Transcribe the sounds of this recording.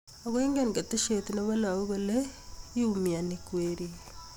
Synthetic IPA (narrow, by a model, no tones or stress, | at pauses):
aɣweːŋɡeŋɡateʃetineβalaoβaleiumianikweɾi